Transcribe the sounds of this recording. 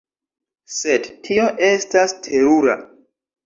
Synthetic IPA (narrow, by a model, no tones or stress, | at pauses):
se̞dtʰio̞ʔe̞stastʰe̞ɾuɾa̰